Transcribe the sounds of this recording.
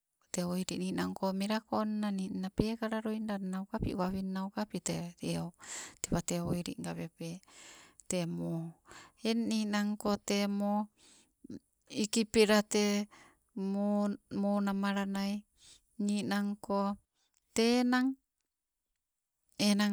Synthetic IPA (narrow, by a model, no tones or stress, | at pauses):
t̪eojɾiʔninaŋkomiɾakonnaninapekaɾaɾoindanawkapḭʔwaβinawkapiteɾioteβateojɾḭʔŋɡapepe | temoeninaŋkotemo | ikipiɾat̪e | monamaɾanaj | ninaŋko | tenaŋ | ena